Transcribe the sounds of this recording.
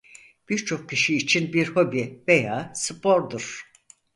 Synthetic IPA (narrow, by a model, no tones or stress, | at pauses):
b̥iɾt͡ʃʰo̞k̚cʰiʃiːt͡ʃʰinbiɾhobivejaːsɨpʰo̞ɾd̪uɾ̥